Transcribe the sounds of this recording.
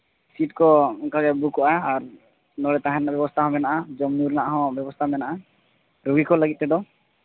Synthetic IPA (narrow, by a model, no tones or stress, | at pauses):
siʈkɔkaɡɛbukɔʔaːɾ | nɔɽɛt̪aɦɛ̃ɾnabjɛbɔst̪ʰaɦɔ̃mɛnaʔad͡ʒɔmnuɾnaʔaɦɔ̃bjɛbɔst̪ʰamɛnaʔa | ɾuɡikɔləɡit̪̚ɾɛd̪ɔ